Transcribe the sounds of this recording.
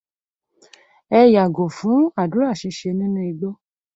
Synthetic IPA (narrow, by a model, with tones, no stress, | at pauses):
ɛ˧ja˨ɡo˨fũ˨˦a˦˨dũ˨˦ɾa˦˨ʃĩ˧ʃe˧nĩ˦nũ˦i˧ɡ͡bo˦